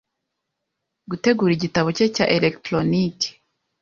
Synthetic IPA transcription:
ɡute̞ɡuːɾiɟitaβo̞ceca̰ʔelektɾonike̥

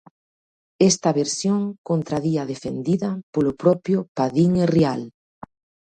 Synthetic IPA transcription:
est̪ɐβeɾsjoŋkont̪ɾaðiɐðefend̪iðɐpolʊpɾɔpjʊpaðiŋerial

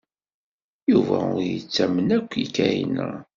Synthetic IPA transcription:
juvæʊɾjət͡sːæmənækʷːikːæjinə

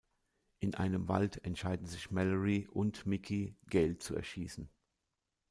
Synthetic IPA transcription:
ʔɪnʔa̰ɪnəmva̰ltʰɛntʃaɪdn̩zɪçmɛləʁiʔʊntmɪkʰiɡ̥ɛlt̚t͡suɛ̰ɐʃiːsn̩

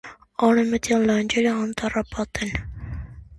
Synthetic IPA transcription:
ɑnəmət̪jɑllɑnd͡ʒɛləɑnt̪ɑrɑpɑt̪ɛn

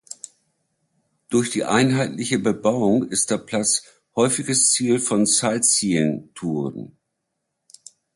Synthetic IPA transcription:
d̥ʊɐçd̥ḭːʔaɪnɦaɪtlɪçəbəbaʊʊŋɪst̚d̥eːɐpʰl̥at͡s | hɔʏfɪɡəst͡siːlfɔnt͡saɪlt͡siəntʰuːʁən

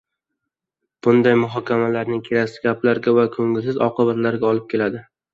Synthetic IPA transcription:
b̥ʊnd̪ajmʊɦɒkʲʰamalaɾnɪŋkʲʰeɾaksɪ̥ɡʲaplaɾɡʲavakʰɵŋʲɪlsɪzɒqɨbat̪laɾɡʲaɒlˠɪp̚kʲe̞lad̪ɪ

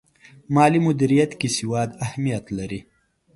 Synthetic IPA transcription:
mɑːlimʊd̪iɾijat̪kisɪwɑːd̪ahmijat̪laɾi

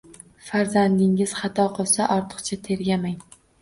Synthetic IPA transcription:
faɾzand̪ɪŋɪz̥χɑt̪ʰɒqʰɨlˠsaʔɒɾt̪ʰɨ̥qt͡ʃʰat̪ʰe̞ɾɡʲamaŋ

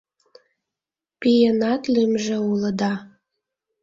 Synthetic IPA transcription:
pijenɑt̪lymʒeuləd̪ɑ

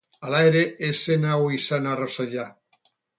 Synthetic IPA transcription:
alajɾeesenawisanarosoʎa

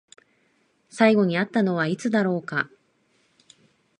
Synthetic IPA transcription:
saiɡo̞ɲ̟iat̪ːano̞β̞ait͡sɨd̪aɾo̞ːka

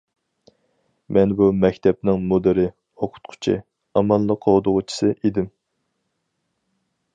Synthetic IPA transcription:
mʔɛnbumɛkʲt̪ʰɛp̚nɪŋmod̪ɪɾɪ | oqʰʊ̥t̪̚qʰʊ̥t͡ʃʰɪ̰ | ɑmɑlˠːəqʰːod̪ʊʁʊt͡ʃʰi̥sɨʔed̪ɪm

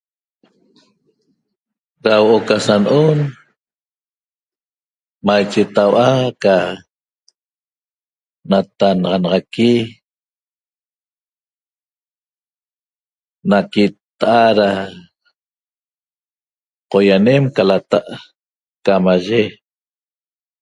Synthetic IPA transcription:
ɾawoʔokasanʔon | majt͡ʃet̪awʔaka | nat̪anɑʁɑnɑʁɑki | nakit̪aʔaɾa | qojanemkalat̪aʔ | kamaʒe

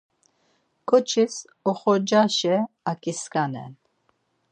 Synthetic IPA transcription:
kʰʼɔt͡ʃʰis | ɔχɔɾd͡ʒaʃɛ | akʼiskʼanɛ̰n

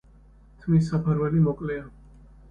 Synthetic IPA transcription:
t̪ʰmis̬apʰaɾwɛlimɔkʼlɛa

